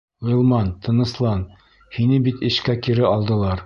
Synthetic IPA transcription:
ŏjɤ̆lˠmɑnt̪ɤ̆nɤ̆slˠɑn | hinɘbit̪ɘ̆ʃkækiɾɘɒlˠd̪ɤ̆lˠɑɾ

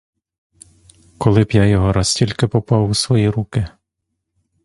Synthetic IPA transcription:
kɔlˠɪbjajɔɦɔɾɑstʲilʲkɪpɔpɑwusʋɔjiɾukɪ

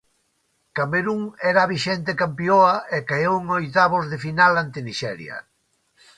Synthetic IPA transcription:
kameɾuŋɛɾaβiʃɛnt̪̬ekampjoɐekajowŋojt̪aβozðefinalant̪ɪniʃɛ̰ɾjɐ̰

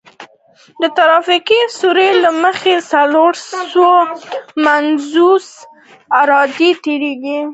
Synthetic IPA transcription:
d̪ət̪aɾɑfiqisuɾelaməxesaloɾomanzus | aɾɑd̪it̪eɾeɡi

